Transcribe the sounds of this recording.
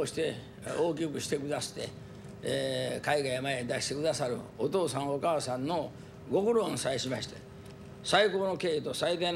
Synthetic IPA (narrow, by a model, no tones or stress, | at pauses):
ɕi̥t̪e̞ | oːk̬ʲikɯ̟ɕi̥t̪e̞kɯ̟d̪aɕi̥t̪e̞̰ | kaiɡaijamaed̪aɕi̥t̪e̞kɯ̟d̪asaɾɯ̟̰ot̪o̞ːsãɰ̃okaːsãnːo̞ | ɡo̞kɯ̟ɾõɰ̃saeɕimaɕi̥t̪e | saiko̞ːno̞ke̞ːit̪o̞said̪aĩ